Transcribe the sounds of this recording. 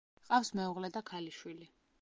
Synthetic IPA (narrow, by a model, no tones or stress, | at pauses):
qʼafsmɛuʁlɛd̪akʰaliʃwili